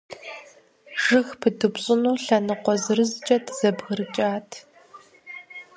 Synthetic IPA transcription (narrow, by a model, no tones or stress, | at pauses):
ʒ̥ɨxpʰɨdʰɨbɕʼɪnuːɬɐnɨqʷɔzɨrɨzɨt͡ʃʼɐtʰz̥ɐbɣɨrɨt͡ʃʼaːtʰ